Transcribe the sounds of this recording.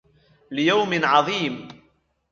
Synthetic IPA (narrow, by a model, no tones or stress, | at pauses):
lɪjawmɪnʕɑðˤiːm